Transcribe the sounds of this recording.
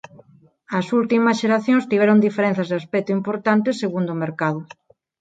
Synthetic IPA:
ɐsult̪imɐsʃeɾaθjõŋst̪iβ̞ɛɾond̪ifeɾẽn̟θɐzðaspɛt̪ʊimpoɾt̪ant̪eseɣund̪omeɾkaðʊ

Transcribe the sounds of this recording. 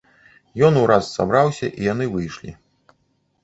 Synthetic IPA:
jɔnuɾasːa̰bɾawsʲɐ̰ʔijanɨvɨjʂlʲi

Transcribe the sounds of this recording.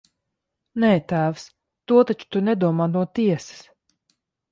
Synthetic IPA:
nɛːt̪æːvs | t̪uɔt̪at͡ʃu̥t̪unɛd̪uɔmaːnuɔt̪iɛsɨ̥s

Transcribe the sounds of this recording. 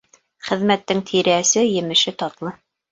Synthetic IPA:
χɘ̆ðmæt̪ːɘŋt̪ʰiɾæsɘjɘ̆mɘ̆ʃɘt̪ɑt̪lˠɤ

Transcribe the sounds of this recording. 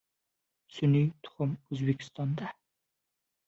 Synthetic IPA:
synyjt̪ʰʊ̥χʊmøzbɪkʲʰi̥st̪ɑnd̪ɑ

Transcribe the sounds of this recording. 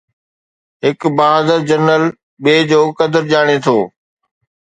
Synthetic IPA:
ɦɪkbaːzəɾd͡ʑɐɾnəl | ɓeːd͡ʑoːkɐd̪əɾʄaːɽ̃et̪ʰoː

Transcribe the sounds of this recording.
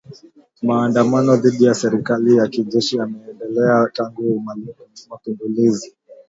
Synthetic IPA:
maːndamanɔðiɗijasɛɾikalijakiʄɛʃiamɛːndɛlɛataŋɡumalimapimbulizi

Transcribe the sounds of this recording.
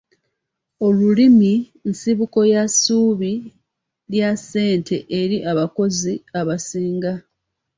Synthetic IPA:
o̞lulimi | nsiβuko̞jasuːβi | ljase̞ːntʰe̞ʔeɾiʔaβako̞ziaβasiːŋɡa

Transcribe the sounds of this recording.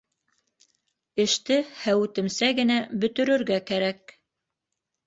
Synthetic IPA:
ɘ̆ʃt̪ɘhæwʉt̪ɘ̆msæɡɘ̆næbɵ̆t̪ɵ̆ɾɵ̆ɾɡækæɾæk̚

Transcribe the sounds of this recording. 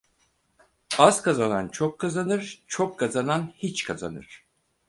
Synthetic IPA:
az̥kʰazanant͡ʃʰokʰːazanɯɾ̥t͡ʃʰokʰːazananhit͡ʃkʰaza̰nɯ̰ɾ̥

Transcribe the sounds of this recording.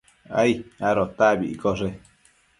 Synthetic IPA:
a̰iaɾot̪abiʔikoʐe

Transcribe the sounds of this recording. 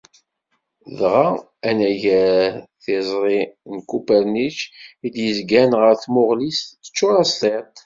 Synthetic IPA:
ðʁa | ænæʝæɾθɪzˤɾˤinkupæɾnit͡ʃid̪jəzɡænʁəɾθmʊʁlisːə̥t͡ʃːʊɾˤɑst̪ˤet̪ˤ

